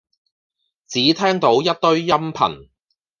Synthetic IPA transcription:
t͡siː˨˥t̪ʰɛː˥ŋt̪o˨˥wjɐ˥t̚t̪ɵ˥ɥjɐ˥mpʰɐ̰˨˩n

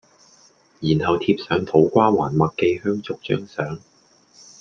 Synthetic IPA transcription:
jiː˨˩nhɐ˨wt̪ʰiː˧p̚sœː˨˥ŋt̪ʰo˨˥wkʷaː˥wa̰ː˨˩nmɐ˨t̚kːe˧jhœː˥ŋt͡sʊ˨k̚t͡ʃœ̰ː˥ŋsœː˨˥ŋ

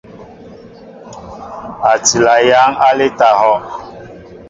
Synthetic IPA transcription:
a˨ti˨la˨ja˦ŋa˦lɪ˦ta˨hɔ˦

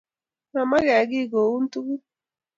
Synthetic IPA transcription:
ma˨ma˦ɡa˨ɡi˦˨ɡo˨u˦n˦t̪u˦ku˦

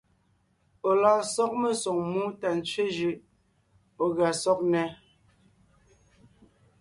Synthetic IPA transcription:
o˨la˨sɔ˦k̚me˦sɔ˨ŋmu˦ta˨n˨t͡ʃɥe˦d͡ʒʉ˨ʔ | o˨ɣa˨sɔ˦k̚nɛ˨

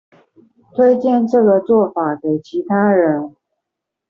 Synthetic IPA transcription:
t̪ʰwe˥ɪt͡ɕjɛ˥˧nʈ͡ʂɤ˥˩ɡə˨t͡swɔ˥˩fa˨˩˦ke˨˩ɪt͡ɕʰi˧˥t̪ʰa˥ɻə˧˦˥n

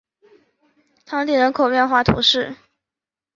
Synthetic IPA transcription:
t̪ʰɑ˥t̪i˥˩ɻə˧˥nkʰo˨˩ʊɥɛ˥˧nxwa˥˩t̪ʰṵ˧˥ʂɻ̩˥˩

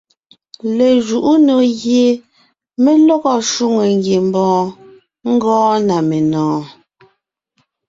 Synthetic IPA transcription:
le˨ʒu˨ʔu˦no˨ɣje˨ | me˦lɔ˦ɣɔ˦ʃu˦ŋe˨ŋ˦ɡji˨m̩˦bɔ̃ː˦ | ŋ̩˦ɡɔ̃ː˦na˨me˨nɔ̃ː˨˦

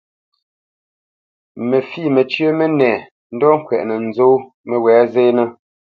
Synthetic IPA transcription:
me˨fiː˦˨me˨t͡ʃɥə˦me˦nɛː˨ | n̩˦dɔ˦ŋ̩˦˨kwɛ̰˨ʔnə˨n̩˨zo˦ | mə˨wɛː˨˦ze˦nə˦

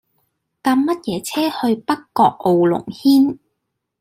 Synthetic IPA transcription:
kaː˧mːɐ˥t̚jɛː˨˧˥t͡sʰɛː˥hɵ˧ɥpɐ˥kːɔː˧k̚ʔo˨wlʊ̰˨˩ŋhiː˥n

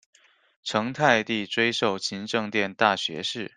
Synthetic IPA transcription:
ʈ͡ʂʰɤ˧˥ŋt̪ʰa˥˧ɪt̪i˥˩ʈ͡ʂwe˥ɪʂo˥˩ʊɕʰi˧˥ŋʈ͡ʂɤ˥˧ŋt̪jɛ˥˧nt̪a˥˩ɕɥɛ̰˧˥ʂɻ̩˥˩

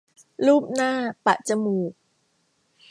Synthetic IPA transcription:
luː˥˩p̚naː˥˩pa˨˩ʔ̚t͡ɕa˧˨muː˨˩k̚

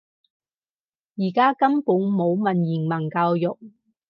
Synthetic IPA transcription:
jiː˨˩kaː˥kɐ˥mpuː˨˥nmo˨˧wmɐ˨njiː˨˩nmɐ˨˩nkaː˧wjʊ˨k̚

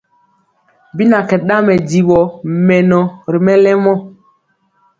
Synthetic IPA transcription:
bi˦na˨kɛ˨ɗa˦mɛ˨di˨ɓɔ˨mɛ˨nɔ˨ɾi˨mɛ˦lɛ˦mɔ˦

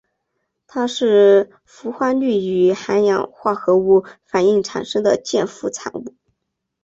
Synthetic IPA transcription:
t̪ʰa˥ʂɻ̩˥˩ | fu˧˥xwa˥nly˥˩y˧˥xa˧˥njɑ̰˨˩˦ŋxwa˥˩xɤ˧˥u˥˩fa˨˩ni˥˩ŋʈ͡ʂʰa̰˨˩nʂɤ˥ŋd̪ə˨t͡ɕjɛ˥˧nfu˥˩t͡sʰa̰˨˩nu˥˩

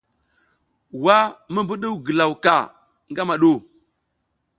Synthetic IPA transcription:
wa˦mə˦bu˦ɗə˦wɡə˨la˨wka˨ | ŋɡa˦ma˨ɗu˦˨

